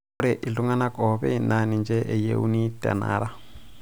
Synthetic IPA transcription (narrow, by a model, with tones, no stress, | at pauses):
ɾɛ˨ʔi˨lu˦ŋa˦na˦kʼɔ˨βɛ˦i˨na˦ni˨nd͡ʒɛ˦ʔɛ˨jḛ˦ṵ˦ni˦tʼa̰˨na̰ː˦ɾa˦